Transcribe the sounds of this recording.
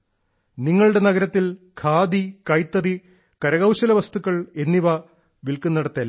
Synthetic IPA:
niŋːɐɭɨɽenɐɣɐɾɐt̪ːil | kʰaːd̪ikɐjt̪ːɐri | kɐɾɐɣɐwɕɐlɐʋɐst̪ukːɐɭe̞nːiʋɐ | ʋilkunːɐɽɐt̪ːiɐl

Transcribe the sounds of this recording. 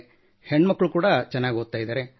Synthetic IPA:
heɳːmɐkːɐɭukuːɽɐt͡ʃɛnːaːɡʲiɦod̪̚t̪ːaːjid̪aːɾe

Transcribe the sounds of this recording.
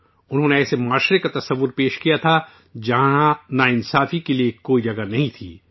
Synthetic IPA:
ʊnɦõːneɛːsemaːʃɾekat̪ɐsɐʋːʊɾpeːʃkijat̪ʰa | d͡ʒɐɦããnaɪnsaːfikeliekoːid͡ʒɐɡanɐɦĩt̪ʰḭː

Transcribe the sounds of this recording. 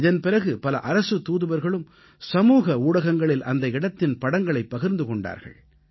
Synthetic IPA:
ɪðɐnpɪɾɐɣɯpɐlɐ̰ʔɐɾɐsɯt̪uːðɯʋɐɾɣɐɭɯm | sɐmuːɣɐuːɽɐɣɐŋɡɐɭɪlʔɐnd̪ɐɪɽɐt̪ːɪnpɐɽɐŋɡɐɭɐɪpːɐɣɪɾnd̪ɯkɔɳɖa̰ːɾɣɐ̰ɭ

